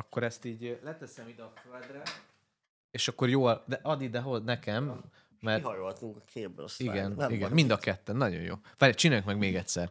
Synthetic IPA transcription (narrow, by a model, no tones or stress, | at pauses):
ɒkːo̞ɾɛst̪iːɟlɛt̪ɛsɛmid̪ɛɒfød̪rɛ | eːʃɒkːo̞ɾjoːld̪ɛʔɒd̪id̪ɛɦoznɛkɛmː | ɛrhɒjoɦɒt̪uŋkɒkʰeːbbø̰siɡɛniɡɛnmind̪ɒkɛt̪ːɛnːɒɟo̞̰jjo̰ːfaɾɛt͡ʃinaːjuŋkmɛɡmeːɡɛtʲsɛr